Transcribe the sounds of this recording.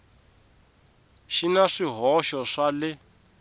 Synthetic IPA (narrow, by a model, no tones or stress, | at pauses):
ʃinaʂiɦɔʃɔʂalɪ